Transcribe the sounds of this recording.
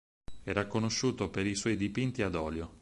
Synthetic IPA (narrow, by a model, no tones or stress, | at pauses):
ɛɾakːonoʃːuːt̪opeɾiswɔjd̪ipint̪iad̪ɔːljo